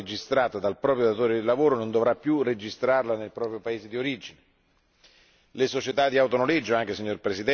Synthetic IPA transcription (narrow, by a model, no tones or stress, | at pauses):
ed͡ʒist̪ɾaːt̪ad̪alpɾɔːpɾjod̪at̪oːɾed̪ilːavoːɾonond̪ovɾapːjured͡ʒist̪ɾarlanelpɾɔːpɾjopaeːzed̪ioɾid͡ʒine | lesot͡ʃet̪ad̪ːiawt̪onoled͡ʒoaŋk̟esiɲːorpɾesid̪ɛ